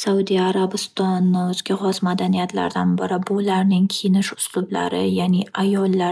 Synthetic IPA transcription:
saud̪iaɾabɪst̪ɒnːɵzɡʲaχɒsmad̪anijat̪ʰla̰ɾd̪anbɪɾɪbʊlaɾnɪŋkʲʰinɪʃʊ̥slʊbla̰ɾɪ̰jaːniʔajɒlːa

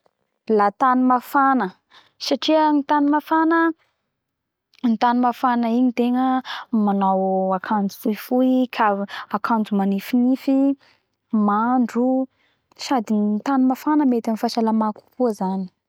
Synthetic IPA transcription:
lat̪animafanə | saʈ͡ʂianit̪animafanə | nit̪animafanəiɲit̪eŋəmanawakʰand͡zu̥fujfuiikʰaakʰand͡zumanifinifi | maɳɖ͡ʐu | sad̪it̪animafanəmet̪anifaʃalamaku̥kʰuzani̥

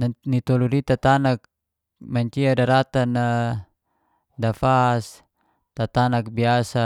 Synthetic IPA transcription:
nnit̪ɔludit̪at̪anak | maɲt͡ʃiadaɾat̪anːa | dafas | t̪at̪anak̚biasa

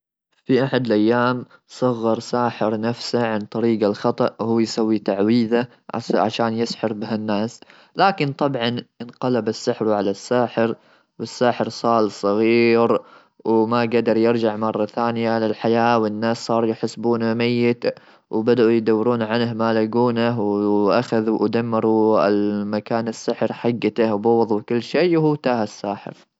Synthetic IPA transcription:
fiʔaħad̪ɪlʔajːaːm | sˤɑɣːɑɾˤsaːħɪɾnafsaʕant̪ˤɑɾiːɡalxɑt̪ˤɑʔwhuːjsawːit̪aʕwiːða | ʕʕa̰ʃaːnjɪsħɪɾbɪɦanːaːs | laːkɪnt̪ˤɑbʕɑnʔɪnqɑlabasːɪħɾʕalasːaːħɪɾ | wɪsːaːħɪɾsˤɑːlsˤɑɣiɾ | wmaɡad̪ɑɾˤjɪɾd͡ʒaʕmɑrˤːɑθaːnɪjalɪlħajaːwɪnːaːssˤɑːɾˤjɪħɪsbuːnamajːɪt̪ | wbad̪aʔujɪd̪awːɪɾuːnʕanhmaːlaɡuːnaɦwʔaxaðwʔad̪amːɪɾuɪlmakaːnasːɪħɾħaɡːat̪ahwbɑwɑðˤuwkʊlːʃiːwhuːt̪aːhasːaːħɪ̰ɾ

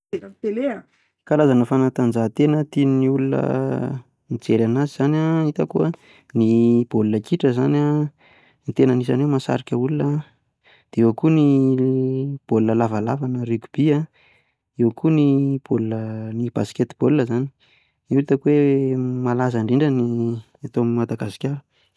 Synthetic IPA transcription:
t̪ele | kalazanəfanat̪and͡zat̪enət̪ininiulunə̰ | nit͡seɾanaziz̥anait̪akuə | nib̥olunəkiʈ͡ʂəzana | nit̪enənisanewmasa̰ɾikʲəulunə | d̪̥eewəkuni | b̥olunəlavalavanərikʲu̥b̥ia | ewəkʰunib̥olunənib̥a̰si̥ket̪ib̥olunəzani̥ | uit̪əkwemalazaɳɖ͡ʐiɳɖ͡ʐəni | at̪omimad̪aɡasi̥kʲaɾu̥

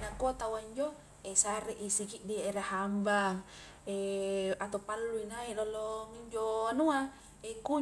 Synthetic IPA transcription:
nakot̪awaiɲd͡ʒo | esaɾiʔisikiʔdiʔeɾahambaŋ | eat̪opalːuinailolɔŋiɲd͡ʒoanua | eku

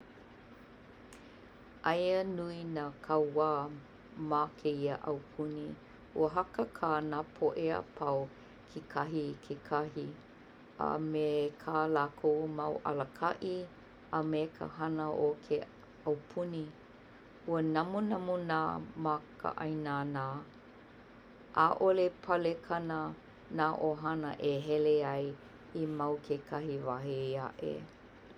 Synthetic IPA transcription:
ʔajənuinaːkʰɐwaː | makʰeiəʔawpʰuni | uəɦɐkəkʰaːnaːpʰoʔea̰pʰɐw | kʰekʰɐɦikʰekʰɐhi | a̰mekʰaːlakʰomawʔɐ̰ləkʰɐʔi | əmekʰə̰hɐnəʔokʰe | ɐwpʰuni | uənɐmunamunaːmakʰə̰ʔa̰jnaːnaː | ʔa̰ʔolepʰɐlekʰɐnə | naːʔoɦɐnə̰ʔeɦɛleɐj | imawkʰekʰahivaɦea̰ʔḛ

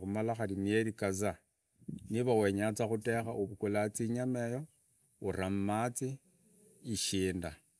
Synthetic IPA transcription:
umalaxalinieɾikaza | niβawe̞ɲat͡saxutexaʔuβukulat͡siɲamejo | uɾammat͡siː | ʃiːnda

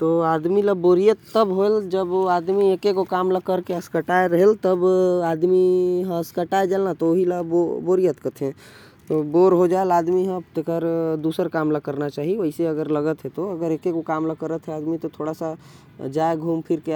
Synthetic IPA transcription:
t̪oaːd̪milaboːɾijət̪ːəbɦoeld͡ʒəbaːd̪mieːkekokaːmlakəɾkeəskəʈaeɾɐɦelt̪əbaːd̪miɦə̃skəʈaːed͡ʒalnat̪ooɦilaboboːɾijət̪kət̪ʰẽ | t̪oboːɾɦod͡ʒaːelaːd̪miɦə̃pt̪ekəɾd̪uːsəɾkaːmlakəɾnat͡ʃaːɦieʋəɪseɐɡəɾləɡət̪ɦɛt̪oɐɡəɾeːkekokaːmlakəɾət̪ɦɛaːd̪mit̪ot̪ʰoːɽasa | d͡ʒaːeɡʱuːmpʰɪɾke

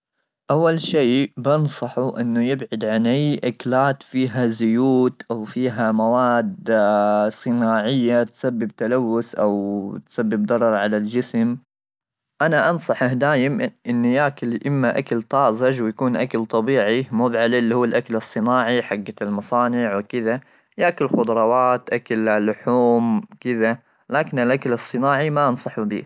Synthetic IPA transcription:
ʔawːalʃiːbɪnsˤɑħuʔɪ̰nːujɪbʕad̪ʕanʔajʔaklaːt̪fiːɦazʊjuːt̪ʔawfiːɦamawaːd̪ | sˤɨnaːʕɪjːat̪sabːɪbt̪alawːʊsʔawt̪sabːɪb̚d̪ɑɾˤɑɾˤʕalald͡ʒɪsm | ʔanaʔɑnsˤɑħʔahd̪aːjɪmʔɪnːjakalʔɪmːaʔakalt̪ˤɑːʔzɑʒwjakuːnʔakalt̪ˤɑbiːʕimʊbʕalɪlːihuːlʔakalɨsˤːɨnaːʕiħaɡːalmɑsˤɑːnɪʕwɪkɪða | jaʔkalxʊd̪ˤɾˤɑwaːt̪ʔakallːʊħuːmkɪða | laːkɪnɪlʔakalɨsˤːɨnaːʕimaʔɑnsˤɑħʊbḭː

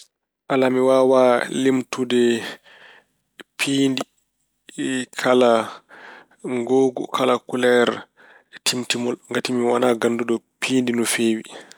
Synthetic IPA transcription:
ʔalamiwawalimtudɛ | pʰiːndi | kʰala | ŋɡoːɡɔ̰kʰalakulɛɾ | tʰimtimɔlŋɡatimiwanaɡanːduɗɔpiːndinɔfeːwi

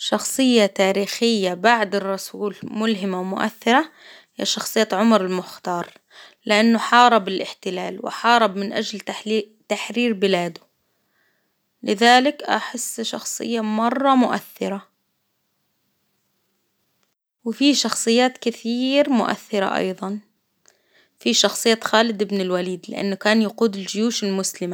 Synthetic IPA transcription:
ʃɑxsˤɨjːat̪aːɾiːxɪjːabaʕd̪ɪrˤːɑsuːlmʊlɦɪmawmʊ̰ʔa̰θːɪɾˤa | jaʃɑxsˤɨjːaːʕʊmɾɪlmʊxt̪ɑːɾˤ | lɪʔanːʊħɑːɾˤɑbɪlʔɪħt̪ɪlaːlwɪ̰ħɑːɾˤɑbmɪnʔad͡ʒl | t̪aħɾiːɾbɪlaːd̪ʊ | lɪðaːlɪkʔa̰ħɪsːʃɑ̰xsˤɨ̰jːamɑrˤːɑmʊʔa̰θːɪɾa | wɪfiʃɑxsˤɨjːaːt̪kɪθiːɾmʊʔa̰θːɪɾa̰ʔɑ̰jðˤɑn | fiʃɑxsˤɨjːaːt̪xaːlɪd̪ʔɪbnɪlwaliːd̪lɪ̰ʔa̰nːʊkaːnjaquːd̪ɪld͡ʒɪjuːʃɪlmʊslɪma

